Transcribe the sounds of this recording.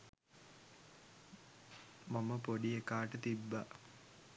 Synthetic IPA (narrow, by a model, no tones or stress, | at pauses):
maməpoɖiekaːʈət̪ibːa